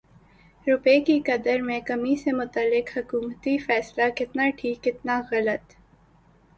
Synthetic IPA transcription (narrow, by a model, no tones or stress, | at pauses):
ɾʊpeːkikɐd̪əɾmẽkɐmisemʊt̪əlːɪkhɐkuːmt̪ifɛːslakɪt̪naʈʰiːkɪt̪naɣɐlət̪